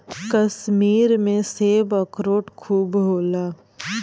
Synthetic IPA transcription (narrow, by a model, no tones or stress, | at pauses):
kəsmiːɾmẽseːbəkɾoːʈkʰuːbɦoːlaː